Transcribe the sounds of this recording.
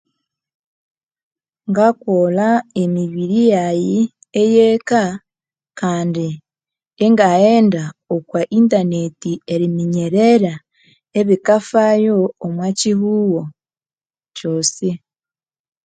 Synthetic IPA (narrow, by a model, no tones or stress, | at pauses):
ŋɡakwolaemiβiɾijaji | ejeka | kaːndi | eŋɡaeːndaokwaʔintane̞tie̞ɾimiɲeɾeɾa | eβikafajoːmwacihuwo | coːsi